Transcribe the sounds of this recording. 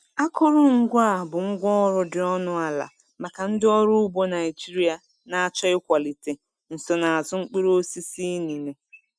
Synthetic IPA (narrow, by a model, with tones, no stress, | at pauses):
a˦kʊ˦ɾʊ˦ŋ̩˦ɡʷa˦˨bʊ˨ŋ̩˦ɡʷɔ˦ɾʊ˦dɪ˨ɔ˦nʊ˦a˨la̰˨ | ma˨ka˨n̩˦dɪ˦ɔ˦ɾʊ˦u˦bo˦na˨ɪ˨d͡ʒi˦ɾi˦a˨ | na˨a˦˨t͡ʃɔ˦ɪ˦kʷa˨li˨te˨ | n̩˨sɔ˨na˨a˨zʊ˦ŋ͡m̩˦k͡pi˦ɾo˦si˦si˦ni˨ne˨